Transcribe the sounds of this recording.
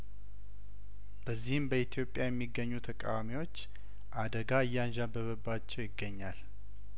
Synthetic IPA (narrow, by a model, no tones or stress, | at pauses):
b̥əzːihɨmbəit̪ʰijo̞pʼjajɛmːiɡːəɲːut̪ʰəkʼa̰wamiwo̞t͡ʃː | ʔad̪əɡaɨjːanʒabəβəbːat͡ʃːɛwjɪɡːəɲːal